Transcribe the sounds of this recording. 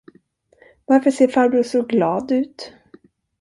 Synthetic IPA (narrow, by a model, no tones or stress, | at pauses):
vaɾfəʂeːɾfaːɾbɾuːsɔɡlɑːd̪ʉ̟ːt̪